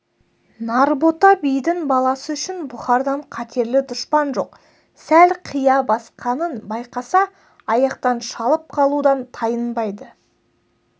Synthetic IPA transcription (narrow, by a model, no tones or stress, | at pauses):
nɑɾbo̞t̪ɑbijd̪ɪŋbɑlˠɑsəʏʃɪnbʊχɑɾd̪ɑɴqʰɑt̪ʰe̞ɾlɪd̪ʊʃpɑnʒo̞q | sælqʰijɑbɑsqʰɑnənbɑjqɑsɑ | ɑjɑqt̪ɑnʃɑlˠəp̚qʰɑlˠud̪ɑnt̪ʰɑjənbɑjd̪ə